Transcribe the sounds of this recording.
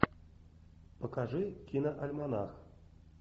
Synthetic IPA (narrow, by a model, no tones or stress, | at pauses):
pəkaʐɨkʲinɐʔɐlʲmana̰x